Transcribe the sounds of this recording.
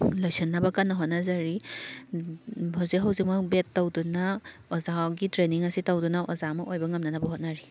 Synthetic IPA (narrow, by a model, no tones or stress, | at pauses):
lojsenːabɐkanːɐɦot̚nazaɾi | hawziɦawzik̚mɐk̚betːawdunaɔzaɡitɾeniŋɐsitawdunaʔɔzamɐʔojbɐŋɐmnanabɐɦot̚naɾi